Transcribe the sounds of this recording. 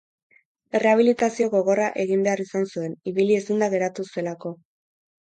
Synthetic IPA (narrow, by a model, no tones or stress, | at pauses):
ere̞aβ̞ilit̪asio̞ɣo̞ɣo̞raʔe̞ɣimbe̞arisansue̞niβilie̞sind̪aɣe̞ɾat̪usue̞lako̞